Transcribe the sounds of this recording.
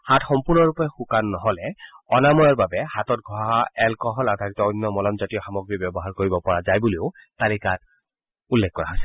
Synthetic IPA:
hatxɔmpuɹnɔɹupɛxukanːɔɦɔlɛɔnamɔjɔɹbabɛhatɔt̚ɡʱɔɦaɛlkɔɦɔladʱaɹitɔɔjnːɔmɔlɔmzatijɔxamɔɡɹibɔbɔɦaɹkoɹibɔpɔɹazajbuleʊtalikat | ulːɛk̚kɔɹaɦɔsɛ̥

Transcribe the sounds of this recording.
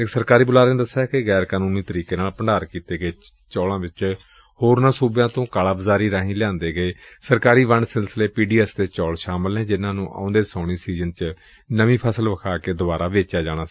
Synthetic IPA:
ɪksəɾkaːɾiːbʊlaːɾneːd̪əsːaːkɪɣɛːɾkaːnũːniːt̪əɾiːkeːnaːlpəɳɖaːɾkiːt̪eːɡəeː | t͡ʃɔːlãːʋɪt͡ʃ | hoːɾnãːsuːbjãːt̪õːkaːlaːbəzaːɾiːɾaːɦĩːlɪjãːnd̪eːɡəeːsəɾkaːɾiːʋəɳɖsɪlsəleːpiːɖiːɛːst̪eːt͡ʃɔːlʃaːməlɦɛ̃ːd͡ʒɪnãːnũːʔã̰ːʊ̃nd̪eːsãːɽiːsiːzənt͡ʃ | nəʋĩːpʰəsəlʋəkʰaːkeːd̪ʊbaːɾaːʋeːt͡ʃaːd͡ʒaːɽ̃aː

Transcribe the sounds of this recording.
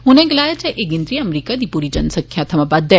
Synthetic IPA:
ɦʊnɛ̃ɡɪlaːjat͡ʃɛʔeɡɪnd̪ɾiɐmɾiːkad̪iːpuːɾid͡ʒənsə̃kkʰːjãt̪ʰɐmapad̪ə

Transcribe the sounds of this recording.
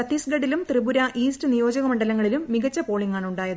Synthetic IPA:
ɐt̪ːisɡɐɽilumt̪rɨbuɾɐʔiːstɨnijo̞ːd͡ʑɐɣɐmɐɳɖɐlɐŋːɐɭilumːiɣɐt͡ɕːɐpo̞ːɭiŋːaːɳuɳɖaːjɐð

